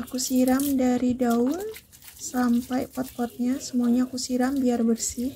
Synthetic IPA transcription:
akusiɾamdaɾidaʊn | sampajpɔt̪̚pɔt̪̚ɲasəmuaɲakusiɾambiarbərsɪh

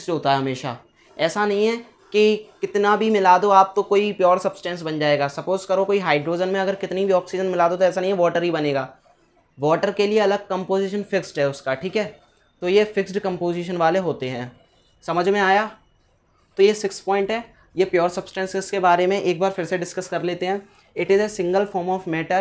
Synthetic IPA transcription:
sɦoːt̪aɦɛɦɐmeːʃa̰ | ɛːsanɐɦĩɦɛ̃ː | kikɪt̪nabʱimɪlaːd̪oaːp̚t̪õkoːipjɔːɾsɐbsʈɛ̃ːns̬bɐ̃nd͡ʒaːeːɡaːsɐpoːzʈkɐɾokoːiɦaːɪɖɾoːd͡ʒənmẽɐɡəɾkɪt̪nibʱiɔːksid͡ʒənmɪlaːd̪ot̪oɛːsanɐɦĩɦɛʋɔːʈəɾɦibɐneːɡaː | ʋɔːʈəɾkelieɐləɡ̚kɐ̃mpoːziːʃənfɪksʈɦɛʊskaːʈʰiːkɦɛː | t̪ojefɪksʈkɐ̃mpoːziʃ̬ənʋaːleɦoːt̪eɦɛ̃ː | sɐməd͡ʒʱmẽaːjaː | t̪ojesɪkspɔ̃ːɪ̃ɳʈɦɛː | jepjɔːɾsɐbsʈɛ̃nsɪzkebaːɾemẽʔeːk̚baːɾfʰɪɾseɖɪskɐskɐɾleːt̪eɦɛ̃ː | ɪʈɪzesɪ̃ŋɡəlfɔːɾmɔːfmɛːʈəɾ

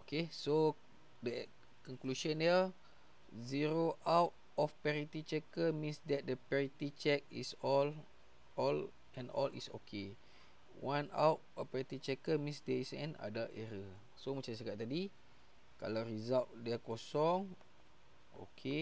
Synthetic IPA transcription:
okeso | dɛ | kɔŋkluʃə̃ndə | ziɾoʔawt̚ | ɔfpɛɾit̪it͡ʃɛkəmĩnsdɛt̪̚dəpɛɹit̪it͡ʃɛk̚ḭsɔl | ɔl | ɛ̃nɔ̰lḭso̰kʰe | wãna̰wt̚ɔfpɛɾit̪it͡ʃɛkəmĩnsdɛisɛ̰̃na̰daʔɛɾə | somət͡ʃas̬əkaʔ̚t̪adi | ka̰lawrizalʔdɛkɔsɔŋ | o̰kʰe

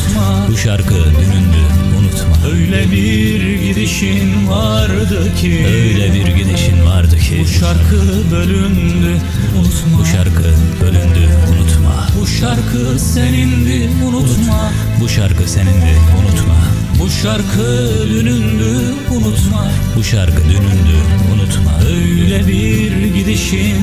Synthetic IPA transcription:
ma | buʃaɾkʰɯd̪ynynd̪yunut̪maøjlʲɛbi | ɾɟid̪iʃinvaɾd̪ɯcʰiøjlʲɛbiɾɟid̪iʃinvaɾd̪ɯcʰibuʃaɾkʰɯ | bø̞lʲynd̪y | unut̪mabuʃaɾkʰɯb̥ølʲynd̪ʲybunut̪ʰma̰buʃaɾkʰɯ | senind̪ɛ | unut̪ma | buʃaɾkʰɯsenind̪ɛunut̪ma̰ | buʃaɾkʰɯ | d̪ønynd̪y | unut̪ma | buʃaɾkʰɯd̪ynynd̪yunut̪ʰmaøjlʲɛbiɾ | ɟid̪iʃin

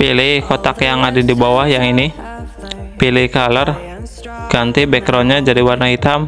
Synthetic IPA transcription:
pilɪkot̪akjaŋadidibawahjaŋini | pilikalər | ɡ̥ant̪ibɛkɾoɲad͡ʒadiwarnaɦit̪am

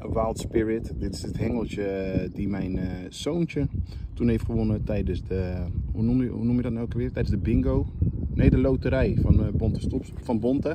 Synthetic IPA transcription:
əwalˠtspɪɹɪtdɪtɪ̥sətɦɛŋəlˠt͡ʃədimɛjn | sownt͡ʃətunejftχəʋonətɛjdəsdəhunumṵnumjədɔtnɛlˠkəʋɪːrətːɛjdənzdəbɪŋɡownejdəlowtəɾɛjfɔnbontəstopsfɔnbɔntə

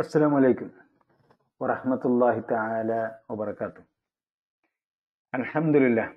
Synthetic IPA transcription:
ʔasːalaːmʕalajkʊm | wɑɾˤɑħmat̪ʊlˤːɑːhɪt̪aʕaːlaːwɑbɑɾˤɑkaːt̪ʊh | ʔalħamd̪ʊlɪlːaːh

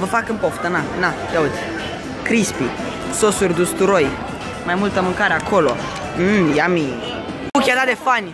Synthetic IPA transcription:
vəfakɨmpoft̪ənanajaud̪zʲ | kɾispi | sosurʲd̪ust̪uɾoj | majmult̪əmɨŋkaɾeakʰo̞lo̰ | ɨjami | ukʲad̪ad̪efanʲ

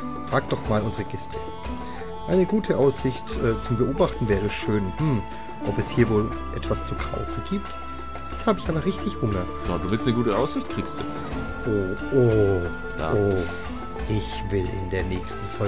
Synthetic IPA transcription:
fʁ̥aːkd̥ɔχmaːlʊnzəʁəɡ̥ɛstʰə̥ | ʔaɪnəɡuːtʰəʔaʊsz̥ɪçtʔɛːt͡sʊmbəʔoːbaχtn̩vɛːʁ̞ɛʃøːnhm̩ | ʔɔpɛshiːɐvoːl | ʔɛ̰tv̥ast͡sukʰa̰ʊfn̩ɡ̥iːp̚t | jɛt͡sthaːbəɪçʔaːbɐʁɪçtʰɪçhʊmɐ | naduːvɪlsnəɡuːtəʔaʊsz̥ɪçt̚kʁ̥iːkstd̥ṵː | ʔoːʔo̰ː | ʔo | ʔɪçvɪlʔɪ̰ndeːɐnɛːçstn̩fɔ

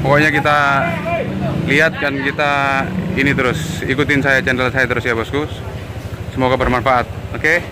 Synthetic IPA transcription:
pɔkoɲakit̪a | liɦat̪̚kankit̪ainit̪əɾʊsikut̪ɪnsajat͡ʃandalsajat̪əɾʊsijabɔsku | səmoɡabərmanfaʔat̪̚oke

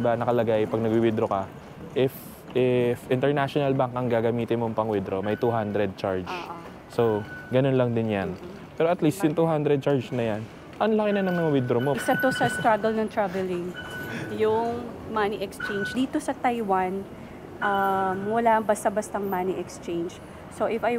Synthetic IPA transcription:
banɐkɐlɐɡajpɐɡ̚nɐɡwiwɪd̪ɾokɐ | ʔɪf | ʔɪfʔɪnt̪ɛɹnaʃonɐlbaŋkɐŋɡaːɡɐmiːt̪ɪnmoŋpɐŋwɪd̪ɾo̞mɐjt̪uɦand̪ɾɛd̪̚t͡ʃaɹd͡ʒ | soɡɐno̞nlɐŋd̪ɪnjan | pɛːɾoʔɐt̪list̪jʊŋt̪uːɦand̪ɾɛd̪̚t͡ʃaɹd͡ʒnɐjan | ʔɐnlɐkɪnɐnɐŋmɐŋɐwɪd̪ɾomosɐt̪osɐst̪ɾaɡɐlnɐŋt̪ɹavɛlɪŋjʊŋmaniʔɛkst͡ʃẽjnd͡ʒd̪iːt̪o̞sɐt̪ajwan | ʔamːʊlaɐŋbɐst̪ɐbɐst̪ɐŋmaniʔɛkst͡ʃejnd͡ʒ | soʔɪfaj

